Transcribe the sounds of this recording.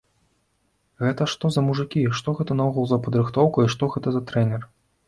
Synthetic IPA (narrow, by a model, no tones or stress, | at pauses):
ɣɛt̪ɐʂt̪ɔzɐmuʐɨkʲiʂt̪ɔɣɛt̪ɐnɐuɣulˠzɐpɐd̪ɾɨxt̪ɔwkɐiʂt̪ɔɣɛt̪ɐzɐt̪ɾɛnʲɛr